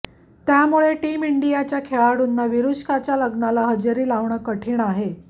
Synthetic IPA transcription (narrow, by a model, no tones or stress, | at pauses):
t̪jamuɭeʈiːmiɳɖijat͡ɕjakʰeɭaɽunːaʋiɾuɕkat͡ɕjaləɡnalaɦəd͡ʑəɾiːlaʋɳəːkəʈʰiːɳaɦe